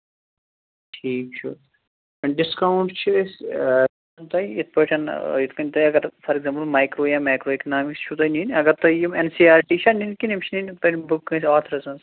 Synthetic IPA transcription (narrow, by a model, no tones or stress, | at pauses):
ʈʰiːk̚t͡ʃʰu | ɐɳɖɪskawɳʈt͡ʃʰis | ɐnt̪ɐiit̪ʰpəʈʰɐnjit̪kɐ̃nʲt̪ɐjɐɡɐɾfɐɾeɡzɐ̃mpəlmaːjkɾoːjamaːjkɾoːekɐnaːmikst͡ʃʰut̪ɐninɐɡɐɾt̪ɐijimensiːaːɾʈiːʃɐninkinimt͡ʃʰininpɐʈbukːɐ̃saːɾt̪ʰɾɐsɐ̃ns